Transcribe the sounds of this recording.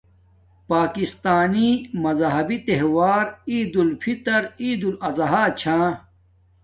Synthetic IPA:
paːkist̪aːnimɐzɦɐbit̪eɦwaːɾiːd̪ulpʰit̪ɐɾiːd̪ulɐzɐɦaːt͡ɕʰãː

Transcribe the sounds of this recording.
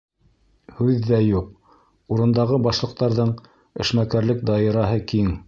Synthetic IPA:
hʉðːæjuq̚ | uɾɤ̆nd̪ɑʁɤbɑʃlˠɤ̆q̚t̪ɑɾðɤɴ | ɘ̰̆ʃmækæɾlɘk̚d̪ɑɤ̆ɾɑɦɤkiŋ

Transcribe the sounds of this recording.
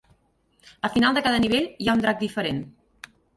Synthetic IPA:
əfinalˠd̪əkaðəniβ̞eʎjaund̪ɾak̚d̪ifəɾen

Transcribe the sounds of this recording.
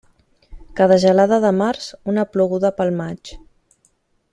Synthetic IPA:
kaðəʒəlaðəðəmaɾzunəpluɣuðəpəlˠmat͡ʃ

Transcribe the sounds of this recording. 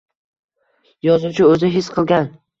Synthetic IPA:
jɒzut͡ʃʰɪɵzɪɦɪsqʰɨlˠɡʲan

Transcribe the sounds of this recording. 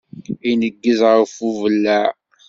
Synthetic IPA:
inəɡːəzʁəfuvəlːæ

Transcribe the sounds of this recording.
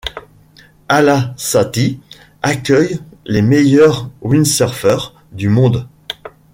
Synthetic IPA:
alasat̪i | akʲœjlemejœʁwinsœʁvœʁ | d̪ymɔ̃d̪

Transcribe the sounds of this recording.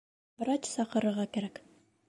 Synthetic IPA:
bɤ̆ɾɑt͡ɕsɑqɤ̆ɾɤ̆ɾʁɑkæɾæk

